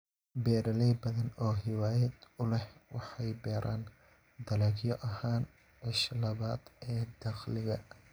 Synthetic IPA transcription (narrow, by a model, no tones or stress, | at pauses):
bɛːɾɐlɛjbɐðɐnɔːɦɪwaːjɛd̪ʊlɛhwɑħɑjbɛːɾʔaːn | d̪ɐlɐːɡjɔʔɐhaːn | ʕɪʃlɐβaːd̪̥ɛːd̪ɐxlɪɣɐ